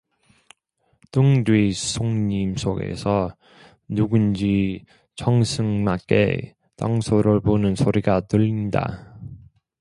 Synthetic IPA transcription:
tɯŋdwisʰoŋɲimsʰoɡe̞̰sʰʌ | nuɡund͡ʑi | t͡ɕʌŋsʰɯŋmak͈ḛ | taŋsʰoɾɯɭbonɯnsʰoɾiɡatɯʎːinda̰

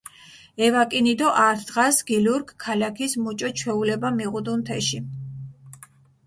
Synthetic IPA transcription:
ɛvakʼinid̪ɔʔaɾt̪ʰd̪ʁasɡiluɾkkʰːalakʰismut͡ʃʼɔt͡ʃʰwɛulɛbamiʁud̪unt̪ʰɛʃi

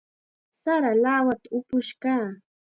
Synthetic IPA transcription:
saɾalaːwat̪aʊpʊʃkaː

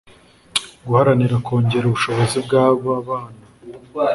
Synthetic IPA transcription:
ɡuhaɾaniɾakʰo̞ːɲɟe̞ɾuβuʃo̞βo̞zibɡaːβaβaːna

